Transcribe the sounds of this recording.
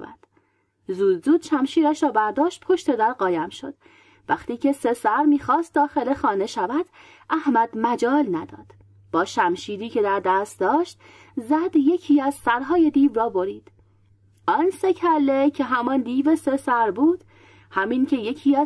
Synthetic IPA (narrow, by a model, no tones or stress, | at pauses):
æ̰d̪̥ | zuːd̪zuːd̪̥ʃæmʃiːɾæʃɾɒːbæɾd̪ɒːʃt̪̚pʰo̞ʃt̪e̞d̪æɾɢɒːjæmʃo̞̰d̪̥ | væχt̪iːcʰe̞sesæɾmiːxɒːst̪̚d̪ɒːxe̞lexɒːne̞ʃævæd̪̥ | ʔæhmæd̪mæd͡ʒɒːlnæd̪ɒ̰ːd̪̥ | b̥ɒːʃæmʃiːɾiːcʰe̞d̪æɾd̪æst̪̚d̪ɒːʃt̪ | zæd̪je̞cʰiːæzsæɾɦɒːje̞d̪iːvɾɒːbo̞ɾiːd̪̥ | ɒːnse̞cʰælːecʰeɦæmɒnd̪iːvesesæɾbuːd̪̥ | hæmiːncʰe̞je̞cʰiːæ